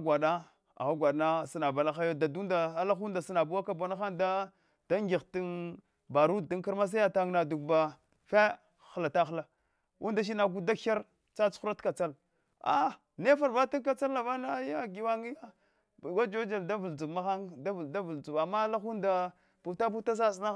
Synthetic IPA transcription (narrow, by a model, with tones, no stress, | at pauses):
ɡʷa˨da˦ | a̰˨ɣa˦ɡʷa˨dna˦sa˨na˨ba˨la˦xa˦jo˦da˨du˦nda˨a˦la˦xu˦nda˨si˦na˨bu˦wa˦ka˦ba˦na˦xa˦nda˦ | d̥a˦ŋɡi˨ɣti˦n | ba˨ɾu˦ddi˦ŋki˦ɾma˦s̬a˦ja˦ta˦ŋna˨du˨k̚ba˨ | fe˦ | xla˨ta˦xla˨ | ʔu˦nda˨ʃ̬i˦na˨ɡu˦da˦a˦ɾ | t͡sa˦t͡su˦ɾa˦tka˨t͡sa˦l | a̰˦ | ne˦fa˨ɾva˦ti˦ka˨t͡sa˦lːa˨va˦na˦ja˦ɡi˨˦wa˦ŋi˦ja˦˨ | ɡa˦d͡ʒo˦d͡ʒa˨lda˦vu˨ld͡zu˨ɡma˦xa˦nda˦vda˦vu˨ld͡zu˨ba˨mːa˦la˦xu˦nda˨ | pu˨ta˦p̬u˦ta˦s̬a˦˨s̬na˦